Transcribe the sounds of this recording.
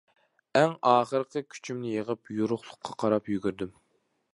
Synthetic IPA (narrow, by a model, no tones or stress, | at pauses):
ɛŋɑːχəɾəqqəkʲʰy̥t͡ʃʰymnɪjeʁəpjuɾʊχlˠʊqʰːɑqʰɑɾɑpjyɡʲyɾd̪ym